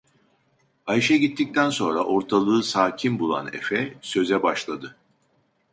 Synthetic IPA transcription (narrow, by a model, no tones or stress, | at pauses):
ajiʃɛɟit̪ʰːic̚t̪ʰænso̞nɾaʔo̞ɾt̪ʰalˠɯːsaːcʰimbulˠa̰nḛfɛsø̞zɛbaʃlˠad̪ɯ